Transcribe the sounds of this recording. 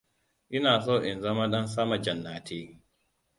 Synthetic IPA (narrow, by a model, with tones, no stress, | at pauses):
ʔɪ˦naː˨s̬o˦ʔɪ˨nzɐ˦ma˦ɗɐ˦ns̬a˦ma˨d͡ʒɐ˨nːaː˨tʰeː˦